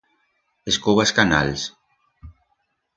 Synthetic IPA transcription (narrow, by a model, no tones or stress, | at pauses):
eskuβaskana̰ls